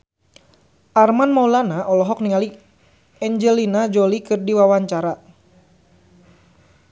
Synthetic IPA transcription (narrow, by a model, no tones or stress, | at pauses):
ʔarmanmaulanaʔɔlɔɦɔk̚niŋali | ɛɲd͡ʒɛlinad͡ʒɔlikɨrdiwawaɲt͡ʃaɾa